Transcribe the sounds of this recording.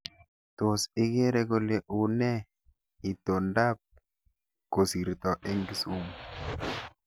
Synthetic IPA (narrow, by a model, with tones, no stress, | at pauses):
to˨sɪ˦ke˦ɾe˦ko˦le˨ʔu˨nɛ˦ | i˨t̪o˨nda˦p̚ | ko˨si˨ɾt̪ɔ˨ʔe˦ŋɡi˦su˦m